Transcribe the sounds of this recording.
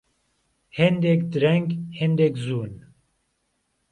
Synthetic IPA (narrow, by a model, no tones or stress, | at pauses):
hend̪ɛkd̪ɨɾɛŋɡhend̪ekzuːn